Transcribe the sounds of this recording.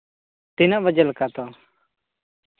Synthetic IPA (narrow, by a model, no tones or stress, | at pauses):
t̪ɪnãːʋəd͡ʒəlkaːt̪oː